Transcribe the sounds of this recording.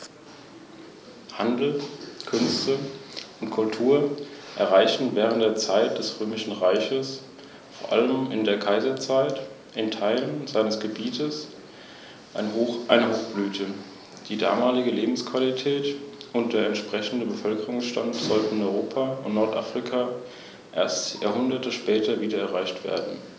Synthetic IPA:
handl̩kʰʏnstəʔʊntkʰʊltʰuːɐʔɛɐʁaɪçn̩vɛːʁ̞əntd̥eːɐt͡saɪt̚d̥ɛsʁøːmɪʃn̩ʁaɪçəs | foːɐʔa̰ləmɪndeːɐkʰaɪzɐt͡saɪt | ʔɪntʰaɪlənzaɪnəsɡ̥əbiːtʰəs | ʔaɪnɦoʔaɪnəɦoːxb̥lyːtʰə | d̥iːda̰ːmaːlɪɡəleːbm̩skv̥alitʰɛːtʊnt̚d̥eːɐɛntʃpʁ̥ɛçn̩dəbəfœlkəʁʊŋsʃta̰ntz̥ɔltn̩nɔʏʁoːpʰaʊntnɔɐtʔa̰fʁ̥ikʰaː | ʔeːɐstja̰ːɐhʊndɐtəʃpɛːtɐviːdɐɛɐʁaɪçtv̥ḛːɐdn̩

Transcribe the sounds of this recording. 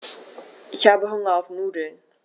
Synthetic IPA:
ʔɪçhaːbəɦʊŋəawfmuːdən

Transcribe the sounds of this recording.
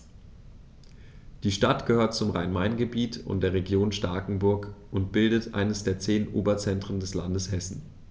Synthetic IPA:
d̥iːʃtatɡ̥əhøːɐt̚t͡sʊmʁa̰ɪnmaɪnɡəbiːtʰʊ̰ntd̥eːɐʁeɡjoːnʃtaɐkŋ̩bʊɐkʔʊntb̥ɪldətʔa̰ɪnəsd̥eːɐt͡seːnʔo̰ːbɐt͡sɛntʁ̥əndɛsla̰ndəshɛsn̩

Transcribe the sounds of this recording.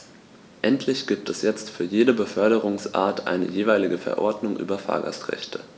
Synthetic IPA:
ʔɛntʰlɪçɡ̥iːp̚tʰɛsjɛt͡stfyːɐjeːdəbəfœɐɾəʁʊŋsʔa̰ːɐtʰʔa̰ɪnə̰jeːvaɪlɪɡəfɛ̰ɐʔɔɐdnʊŋʔy̰ːbɐfa̰ːɐɡa̰stʁ̥ɛ̰çtʰə

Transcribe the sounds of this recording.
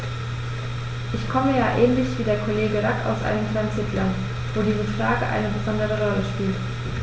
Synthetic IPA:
ʔɪçkʰɔməjaːʔɛːnlɪçv̥iːdeːɐkʰoleːɡəʁaka̰ʊsʔa̰ɪnəmkl̥aɪsɪtʰlɐn | v̥oːdiːzəfʁ̥aːɡəʔa̰ɪnəbəzɔndəʁəʁɔləʃpiːlt

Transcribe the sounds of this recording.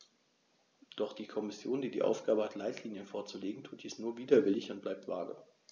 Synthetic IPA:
d̥ɔχd̥iːkʰɔmɪsjoːndiːdḭːʔa̰ʊfɡ̥aːbəhatlaɪtʰliːnjənfoːɐt͡suleːɡŋ̩tʰuːt̚d̥iːsnuːɐviːdɐvɪlɪçʊnt̚b̥laɪp̚tv̥a̰ːɡə̰

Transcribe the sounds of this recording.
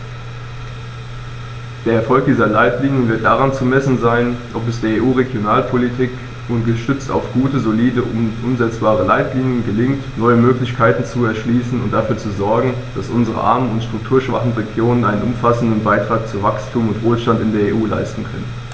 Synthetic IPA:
d̥eːɐɛɐfɔlk̚d̥iːzɐlaɪtliːnjənvɪɐt̚d̥aʁant͡sumɛsn̩zaɪnʔɔp̬ɛsd̥eːɐeːʔuːʁeɡjonaːlpʰolitʰiːk | unɡəʃtʏt͡sta̰ʊfɡ̥uːtəzoliːdəʔʊmzɛt͡sb̥aːʁəlaɪtliːnjənɡəlɪŋtnɔʏəmøːklɪçkʰaɪtn̩t͡suɛɐʃliːsn̩ʊnt̚d̥afyːɐt͡suzɔɐɡŋ̩ | d̥asʔʊnzəʁə̰ʔa̰ɐmənʊntʃtʁ̥ʊktʰuːɐʃv̥a̰χn̩ʁeɡjoːnənʔaɪnənʊmfasn̩dn̩baɪtʁ̥aːk̚t͡suvakstʰuːmʊntv̥oːlʃtantɪndeːɐeːʔuːla̰ɪstn̩kʰœ̰nən

